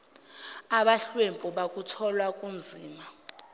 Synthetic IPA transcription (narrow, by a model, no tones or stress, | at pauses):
aɓaɬwempʼuɓakʼutʰɔlwakʼund͡zʱiːma